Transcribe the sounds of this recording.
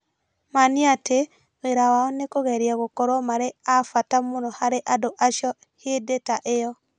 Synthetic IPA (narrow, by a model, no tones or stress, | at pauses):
maniate | ɣeɾawaɔnekoɣɛɾjaɣokɔɾwɔmaɾeafatamonɔhaɾeʔadoʔaʃjɔ | hedetaʔejɔ